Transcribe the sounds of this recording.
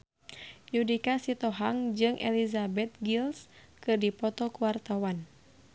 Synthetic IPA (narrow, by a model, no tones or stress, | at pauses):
judikasit̪ɔɦaŋd͡ʒɨŋʔɛ̰lizabɛt̪̚ɡils | kɨrdipɔt̪ɔkuwart̪awan